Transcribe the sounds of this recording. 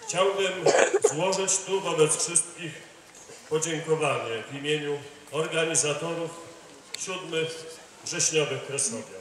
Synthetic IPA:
xt͡ɕawbɘmzwɔʐɘt͡ɕt̪uvɔbɛt̪sfʂɘst̪̚kʲix | pɔd͡ʑɛŋkɔvaɲɛvʲimʲjeɲu | ɔɾɡaɲizat̪ɔɾuf | ɕud̪mɘx | vʐɛɕɲɔvɘxkɾɛsɔɡʲja

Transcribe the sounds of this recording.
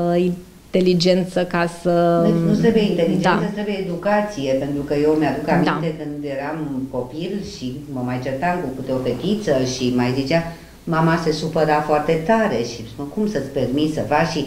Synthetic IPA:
in | t̪e̞lid͡ʒe̞nt̪səkasəd̪enut̪ɾebueint̪e̞lid͡ʒed̪naət̪ɾebujeed̪ukat̪sije̞pe̞nt̪ɾukəjewmjad̪ukammid̪nat̪ekɨnd̪je̞ɾamko̞pilʃi | məmajt͡ʃert̪amkukɨt̪eope̞t̪it̪səʃimajzit͡ʃea | mamase̞supəɾafoart̪e̞t̪aɾe̞ʃiməkumsət̪sʲpe̞rmit̪səfakʃi

